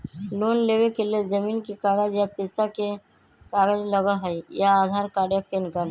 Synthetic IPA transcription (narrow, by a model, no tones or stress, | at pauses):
loːnleːʋekelied͡ʒəmiːnkikaːɡəd͡ʒjapeːsake | kaːɡəd͡ʒləɡaɦəjaaːd̪ʱaːɾkaːɖjapʰeːnkəɾ